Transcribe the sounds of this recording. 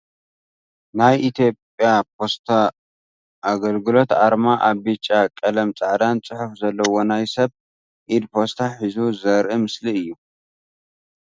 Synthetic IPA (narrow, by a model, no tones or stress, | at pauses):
najʔit̪ʰjo̞pʼjapʰo̞st̪ʰa | ʔaɡɐlɡɨlo̞t̪aɾmaʔaβːɨt͡ʃʼːakʼɐlɐmt͡sʼaʕd̪ant͡sʼɨħufzɐlːɐwo̞najsɐβ | ʔid̪pʰost̪ʰaħizuzɐɾʔɨmɨsliɨjːu